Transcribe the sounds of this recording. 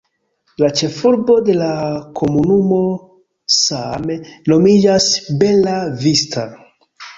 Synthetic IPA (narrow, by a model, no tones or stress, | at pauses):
lat͡ʃe̞fuɾbo̞de̞lakʰo̞munumo̞ | sameno̞mid͡ʒasbe̞lavistʰa̰